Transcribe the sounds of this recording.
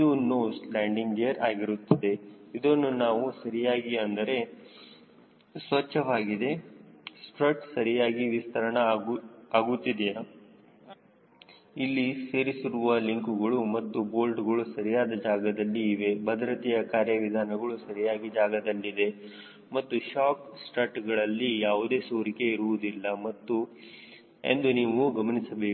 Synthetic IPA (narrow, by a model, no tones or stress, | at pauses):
id̪unːoːslaːɳɖiŋɡejɐɾaːɡiɾut̪ːɐd̪e̞id̪onːunaːʋusɐɾijaːɡiɐnd̪ɐɾe̞ | sʋɐt͡ʃːʃːɐʋaːɡid̪e̞sʈɾɐʈsɐɾijaːɡiʋist̪ʰɐɾɐɳɐaːɡut̪ːid̪ija | ilːise̞ːɾisiɾuʋɐliŋkuɡɐɭumɐt̪ːubo̞ːlɖɡɐɭusɐɾijaːd̪ɐd͡ʒaːɡɐd̪ɐlːiːʋe̞bɐd̪ɾɐt̪ijɐkaːɾjɐʋid̪ʱaːnɐɡɐɭusɐɾijaːɡid͡ʒaːɡɐd̪ɐlːid̪e̞ | mɐt̪ːuʃaːksʈɾɐʈɡɐɭɐlːijaːʋud̪e̞ːsoːɾike̞iɾuʋud̪ilːɐmɐt̪ːu | ḛnd̪uniːʋuɡɐmɐnisɐbeː